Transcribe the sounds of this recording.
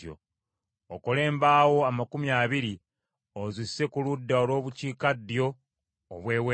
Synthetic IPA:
jo̰ | okole̞ːmbaːwo̞amakumjaːβiɾi | ozisːe̞kuludːaolwo̞ːβuciːkadːijo̞̰ː | βwe̞ːwe

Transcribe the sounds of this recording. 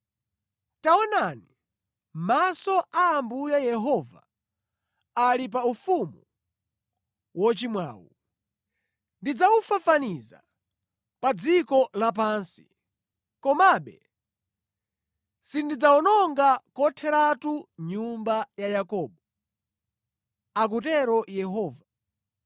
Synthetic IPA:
taɔnani | masɔʔaːmbujajɛɦɔva̰ | alip̬aufumu | wɔt͡ʃimwa̰ːwṵ | ndid͡zawufafaniza̰ | pad͡zikɔlap̬aːnsi̥ | kɔmaɓɛ̰ | sindid͡zaɔnɔŋɡakɔtʰɛɾatuɲumbajajakɔːɓɔ | ak̬utɛɾɔjɛɦɔːva

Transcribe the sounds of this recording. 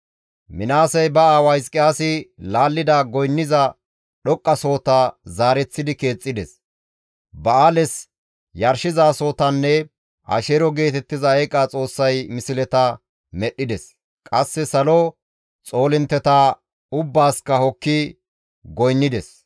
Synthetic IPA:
mɪnaːsɐjbɐaːwɐjskʼːɪjaːsɪlaːlːɪd̪aːɡɔjnːɪzɐ | ɗɔkʼːɐso̞ːt̪azaːɾɛt͡sːɪd̪ɪke̞ːt͡sʼːɪd̪ɛs | bɐaːlɛs | jɐɾʃɪzaːso̞ːt̪ɐnːɛ | ʔɐ̰ʃeɾɔɡe̞ːt̪ɛt̪ːɪzɐɐjkʼːaːt͡sʼo̞ːsːɐjmɪsɪlɛt̪ɐ | mɛɗːɪd̪ɛs | kʼɐsːɛsɐlɔ | t͡sʼo̞ːlɪnt̪ːɛt̪aː | ʊbːaːskːɐhɔkːɪ | ɡɔjnːɪd̪ɛs

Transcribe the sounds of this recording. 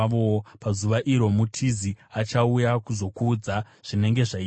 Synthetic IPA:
ʋopazuʋaʔiɾo̞mutʰiziat͡ʃaujakuzo̞kuːd͡za | ʐ̥ine̞ŋɡe̞ʐai

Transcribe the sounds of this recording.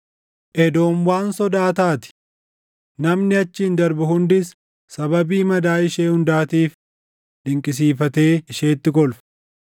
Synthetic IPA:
ʔɛd̪o̞ːmwaːnsɔd̪aːt̪aːt̪ɪ̥ | nɐmnɪɐt͡ʃːɪɪnd̪ɐɾbʊhʊnd̪ɪs | sɐbɐbiːmɐd̪aːɪʃeːhʊnd̪aːt̪iːf | d̪ɪŋkʼɪs̬iːfɐt̪e̞ːɪʃe̞ːt̪ːɪɡɔlfɐ̥

